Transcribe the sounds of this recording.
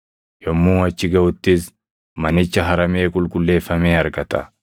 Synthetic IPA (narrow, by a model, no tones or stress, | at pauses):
jɔmːuːɐt͡ʃːɪɡɐʔʊt̪ːɪs | mɐnɪt͡ʃːɐɦɐɾɐme̞ːkʼʊlkʼʊlːe̞ːfːɐmeːɐɾɡɐt̪ɐ̰